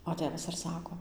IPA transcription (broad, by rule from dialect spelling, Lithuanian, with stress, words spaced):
oː ˈtʲeːʋɐs ɪr ˈsɑːkoː